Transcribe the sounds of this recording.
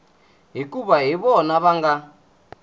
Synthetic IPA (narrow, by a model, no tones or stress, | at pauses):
ɦikʼuβaɦiβɔnaβaŋɡa